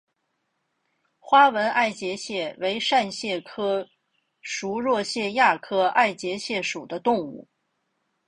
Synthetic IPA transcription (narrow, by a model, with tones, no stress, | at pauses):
xwa˥wə˧˥nʔa˥˩ɪt͡ɕjɛ˧˥ɕjɛ˥˩we˧˥ɪʂa˥˧nɕjɛ˥˩kʰɤ˥ | ʂu˧˥ɻwɔ˥˧ɕjɛ˥˧ja˥˩kʰɤ˥a˥˩ɪt͡ɕjɛ˧˥ɕjɛ˥˩ʂu˨˩d̪ə˦t̪ʊ˥˧ŋṵ˥˩